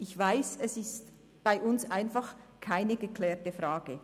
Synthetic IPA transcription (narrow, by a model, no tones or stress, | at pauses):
ɪçvaɪsɛsɪst | b̥aɪʔʊnsʔaɪnfaχ | kʰaɪnəɡəkʰlɛːtəfʁaːɡ̥ə